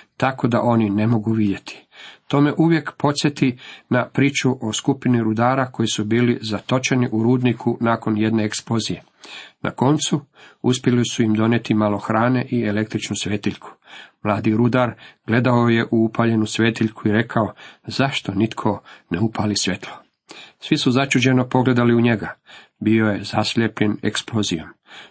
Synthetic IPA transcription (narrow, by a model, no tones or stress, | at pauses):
t̪ako̞d̪a̰ʔo̞nine̞mo̞ɡuʋid̪je̞t̪ʰi̥t̪o̞ːme̞ʔuʋje̞kpo̞t̪sjet̪inapɾiːt͡ʃuʔo̞skupiniɾud̪aːɾako̞jisubiːlizat̪o̞t͡ʃe̞niʔuɾuːd̪nikʰunaːko̞nje̞d̪ne̞eksplo̞zije̞ | na̰ko̞nt̪suuspʲjelisuimd̪o̞net̪imalo̞xɾaːne̞ʔiele̞k̚t̪ɾit͡ʃnusʋeːt̪iʎkʰu̥mlˠaːd̪iɾud̪aɾɡ̥le̞d̪aoje̞ʔuupʰaʎe̞nusʋeːt̪iʎkuiɾe̞kʰaozaʃt̪o̞nit̪kʰo̞neupʰalisʋe̞t̪ʰlˠo | sʋisuzat͡ʃud͡ʑe̞no̞po̞ɡle̞d̪aliuɲe̞ɡa | bio̞jezasʎʲepʎe̞nḛksplozijom